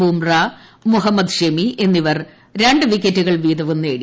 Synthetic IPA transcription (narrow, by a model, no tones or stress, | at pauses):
uːmrɐmuɦɐmːɐd̪ɕemie̞nːiʋɐr | ɾe̞ɳɖɨʋikʲːetːuɣɐɭʋiːd̪ɐʋunːeːɽi